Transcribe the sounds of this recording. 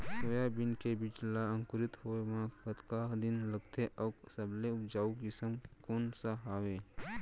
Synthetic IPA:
soːjabɪnkebiːt͡ʃlaə̃ŋkʊɾɪt̪ɦoːeʋãət̪kaːɦd̪ɪnlɐɡt̪ʰeʔɔːsɐbleʊpd͡ʒaːukɪsəmkoːnsaɦaːweː

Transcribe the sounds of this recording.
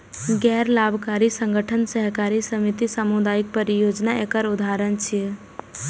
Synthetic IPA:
ɡɛɾlabʱkaɾisəŋɡəʈʰənsəɦkaɾisəmit̪isamud̪aik̚pəɾijod͡ʒnaekəɾud̪ʱaɾənt͡ʃʰi

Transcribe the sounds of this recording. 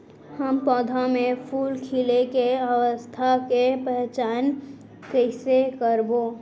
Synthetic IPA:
həmpɔːd̪ʱamẽpʰuːlkʰilekeəwəst̪ʰakepəɦt͡ʃaːn | kəɪsekəɾboː

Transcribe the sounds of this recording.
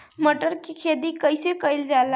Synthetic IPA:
məʈəɾkikʰed̪ikəjsekəjld͡ʒael

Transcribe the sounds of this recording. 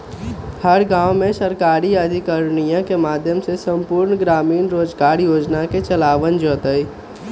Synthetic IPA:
həɾɡãːwmẽsəɾkaːɾiəd̪ʱikəɾnijãkemaːd̪ʱjəmsesə̃mpuːɾɳɡɾaːmiːnɾoːd͡ʒɡaːɾjoːd͡ʒnaket͡ʃəlaːʋənd͡ʒɔːt̪əi

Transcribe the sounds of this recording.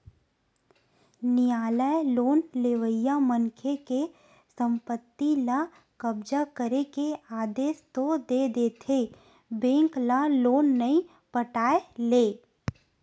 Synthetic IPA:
nɪjaːləeloːnleʋəjːaməŋkʰeke | sə̃mpət̪ːila | kəbd͡ʒakəɾekeaːd̪eːst̪od̪eːd̪eːt̪ʰe | bẽːŋklaloːnːəĩ | pəʈaːeleː

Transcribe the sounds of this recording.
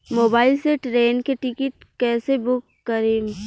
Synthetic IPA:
moːbaːɪlseʈɾeːnkeʈɪkɪʈ̚kɛːsebʊkːəɾeː

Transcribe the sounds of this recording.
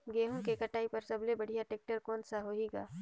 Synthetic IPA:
ɡeːɦũkekɐʈaːipɐɾsɐblebɐɽ̤ijaʈeːk̚ʈəɾkɔːnsaɦoɦiɡa̰ː

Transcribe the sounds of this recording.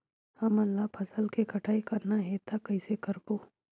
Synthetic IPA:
hɐmɐlːapʰɐsəlkekʰɐʈʰaːikɐɾnaɦet̪akɐɪsekɐɾkoː

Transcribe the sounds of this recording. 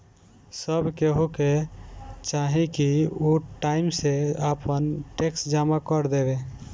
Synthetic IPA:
səbkeɦuke | t͡ʃaɦĩkiuʈaimseəpənʈeksd͡ʒamakəɾd̪ebe

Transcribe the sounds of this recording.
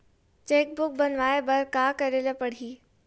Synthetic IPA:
t͡ɕeːk̚bʊk̚bɐnʋaːebɐɾkaːkɐɾeləpɐɽ̤ʱiː

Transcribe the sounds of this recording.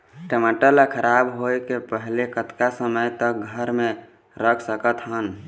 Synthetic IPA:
ʈəmaʈəlakʰəɾabɦoekepəɦlekət̪kasəməjt̪ək̚ɡʱəɾme | ɾəkʰsəkət̪ɦən

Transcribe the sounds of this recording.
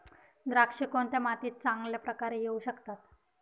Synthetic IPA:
d̪ɾakʂikont̪jamat̪iːt̪̚t͡sãŋɡljapɾəkaɾejeuɕəkt̪at̪

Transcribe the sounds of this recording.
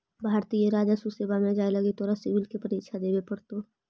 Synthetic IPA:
bʱaːɾt̪ijeɾaːd͡ʒasuseːbamẽd͡ʒaːelɐɡet̪oːɾasɪʋɪlkepəɾiːkʃʰad̪eːbepəɽt̪o

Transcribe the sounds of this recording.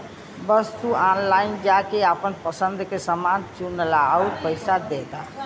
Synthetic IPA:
bəst̪uanlaɪnd͡ʒakeapənpəsə̃nd̪ʱkesəmant͡ʃunlaupəɪsad̪et̪a̰

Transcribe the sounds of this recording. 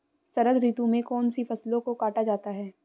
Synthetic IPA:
sɐɾəd̪ɾiːt̪ũmẽkɔːnsifʰɐslõkokaːʈad͡ʒaːt̪aɦɛː

